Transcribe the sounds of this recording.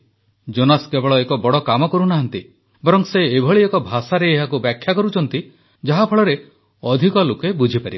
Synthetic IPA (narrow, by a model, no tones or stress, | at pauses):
d͡ʒonaskebɔɭɔekɔbɔɽɔkamɔkɔɾunaɦant̪i | bɔɾɔŋseːbʱɔɭiekɔbʱasaɾeːɦakubjakʰːjakɔɾut͡ʃʰɔnt̪i | d͡ʒaɦapʰɔɭɔɾe | ɔd̪ʱikɔlokebud͡ʒʱipaɾib